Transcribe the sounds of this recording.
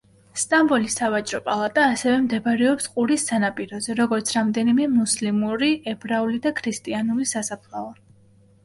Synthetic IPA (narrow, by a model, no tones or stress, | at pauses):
st̪ʼambɔlisːavat͡ʃʼɾɔpʼalˠat̪ʼaːsɛvɛmd̪ɛbɾɛɔpsqʼuɾisːanapʼiɾɔzɛɾɔɡɔɾt̪sʰɾamd̪ɛnimɛmuslimuɾiɛbɾaulid̪akʰɾist̪ʼianulisasapʰlˠava